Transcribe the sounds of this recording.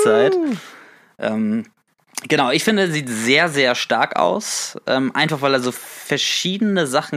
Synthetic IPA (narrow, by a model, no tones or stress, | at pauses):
t͡saɪt | ʔɛːm | ɡ̥ənaʊɪçfɪndəɛsziːtz̥eːɐzeːɐʃta̰ɐka̰ʊsʔɛ̰ːmʔa̰ɪnfaχvaɪlɛɐzoːfɛɐʃiːdənəzaχn̩